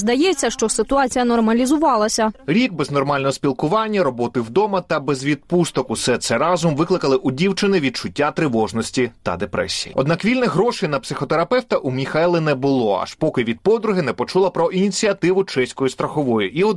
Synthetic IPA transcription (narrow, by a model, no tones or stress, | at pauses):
zd̪ɐjɛt͡sʲːɐʃt͡ʃɔsɪt̪ʊɑt͡sʲijɐnɔrmɐlʲizʊʋɑlˠɐsʲɐɾʲiɡ̚bɛznɔrmɑlʲnɔɦɔspʲilˠkʊʋɑnʲːɐɾɔbɔt̪ɪwd̪ɔmɐt̪ɐbɛzʋʲid̪̚pust̪ɔkʊsɛt̪sɛɾɑzʊmʋɪklˠɪkɐlˠɪʔʊdʲiwt͡ʃɪnɪʋʲid̪̚t͡ʃʊtʲːat̪ɾɪʋɔʒnɔsʲtʲit̪ɐ̰d̪epɾɛ̰sʲḭjḭɔ̰d̪nɑkʋʲilʲnɛɦɾɔʃɪjnɐpsɪxɔt̪eɾɐpɛwt̪ɐʔumʲixajlˠɪnɛbʊlˠɔɑ̰ʃpɔkɪʋʲid̪̚pɔd̪ɾʊɦɪnɛpɔt͡ʃulˠɐpɾɔʔinʲit͡sʲiɐt̪ɪʋʊt͡ʃɛsʲkɔjist̪ɾɐxɔʋɔjʊʔiɔ